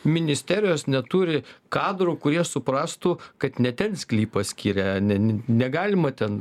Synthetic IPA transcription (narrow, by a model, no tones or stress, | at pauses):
mʲɪnʲɪsʲt̪ʲæːɾʲɪjoːsnʲɛt̪uːɾʲɪkɑːd̪ɾʊːkʊɾʲiɛsʊpɾɑːst̪ʊːkɐt̪nʲɛt̪ʲɛnsʲkʲlʲiːpɐsʲkʲiːɾʲɛnʲɛnʲnʲɛɡɑːlʲɪmɐt̪ʲɛn